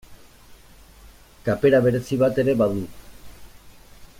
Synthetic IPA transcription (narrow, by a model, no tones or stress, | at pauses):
kape̞ɾaβ̞e̞ɾe̞siβat̪e̞ɾe̞βaðu